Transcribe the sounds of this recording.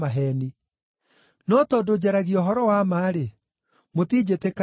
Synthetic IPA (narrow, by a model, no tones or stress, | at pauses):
aɦɛːni | nɔtɔːdod͡ʑɛɾaɣiɔɦɔɾɔwamaːɾe | motiːd͡ʑeteka